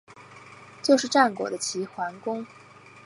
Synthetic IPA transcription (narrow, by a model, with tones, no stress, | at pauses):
t͡ɕjo˥˧ʊʂɻ̩˥˧ʈ͡ʂa˥˩nkwɔ̰˨˩d̪ə˦t͡ɕʰi˧˥xwa˧˥nkʊ˥ŋ